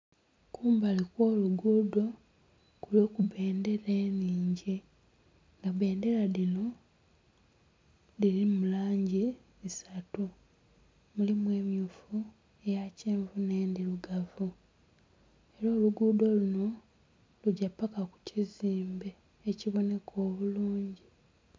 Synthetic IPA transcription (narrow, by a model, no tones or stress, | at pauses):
kʰuːmbalikwo̞ːluɡuːdo̞ | kuloːkuβe̞ːnde̞ɾe̞ːniːɲɟi | ŋɡaβe̞ːnde̞ɾaðino̞ | lilimulaːɲɟi | isatu | mulimwe̞ːmjuːfu | ejaceːɱvune̞ːndiluɡavu | eɾoːluɡuːdo̞luno̞ | luɟapːakaku̥ciziːmbe̞ː | ciβo̞ne̞kʰo̞ːβuluːɲɟi